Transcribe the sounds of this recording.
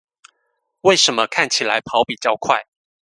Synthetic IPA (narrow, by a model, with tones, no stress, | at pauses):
we˥˩ɪʂə˧˦nmə˧kʰa˥˩nt͡ɕʰi˨˩la˧˦ɪpʰɑ˧˦ʊpi˨˩t͡ɕjɑ˥˧ʊkʰwa̰˥˩ɪ